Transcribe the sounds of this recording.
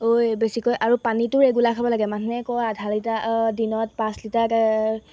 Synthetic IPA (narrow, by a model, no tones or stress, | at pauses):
ojbesikojʔaɹupanitʊɹeɡulakʰabɔlaɡɛmanʰnɛkɔjadʱalitadinɔt̚pãslitaka